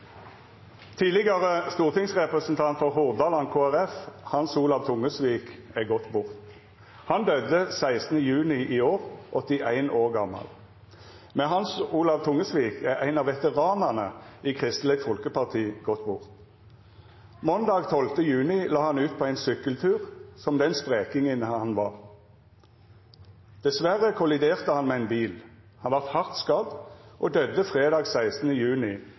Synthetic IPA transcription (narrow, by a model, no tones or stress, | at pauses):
t̪ʰiːlɪɡɑʁəst̪uːʁt̪ɪŋsʁɛpʁəsn̩t̪ʰɑnt̪fɔʁhʊʁd̪ɑːlɑnkʰoːæʁɛfhɑnsuːlɑʋt̪ʰʊŋːəsʋiːkɛɡɔt̪bʊʁt̪ | hɑnd̪œd̪əsæɪsn̩əjʉːnɪʔiːoːʁʔɔt̪ːɪʔæɪnʔoːʁɡɑmɑ̰l | mɛɦɑnsuːlɑʋt̪ʰʊŋəsʋiːkʰɛʁæɪnɑːʋɛt̪əʁɑːnəʁnəiːkʰʁɪst̪nl̩ɪt̪fɔlkəpɑʁt̪ʰiːɡɔt̪bʊʁt̪ | mɔnd̪ɑːɡt̪ʰɔlft̪əjʉːnɪlɑːhɑnʉːt̪̚pʰoːæɪnsʏkəlt̪ʰʉːʁsɔmd̪ɛnspʁeːkɪŋənɑnʋɑːʁ | d̪̥ɛsʋæʁəkʰʊlɪd̪eːʁt̪əhɑnmeːæɪnbiːl | hɑnʋɑʁt̪hɑʁt̪skɑd̪ʔoːd̪œd̪ːəfʁeːd̪ɑːɡsæɪst̪nəjʉːnɪ